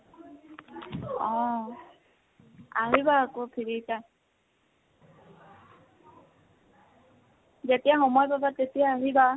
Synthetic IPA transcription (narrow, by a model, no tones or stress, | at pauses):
ɔ̃ | aɦibaːkopʰiɹita | zetijaxɔmɔjpapatːetijaːɦiba